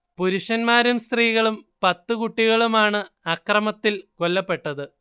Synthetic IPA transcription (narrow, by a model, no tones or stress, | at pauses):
puɾuʂɐnmaːɾumst̪riːɣɐɭumpɐt̪ːɨkuʈːiɣɐɭumaːɳɨɐkrɐmɐt̪ːilko̞lːɐpːe̞ʈːɐðɨ